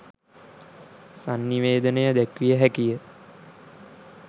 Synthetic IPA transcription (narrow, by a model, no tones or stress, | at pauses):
sanːiʋeːd̪ənəjəd̪ækʋijəɦækijə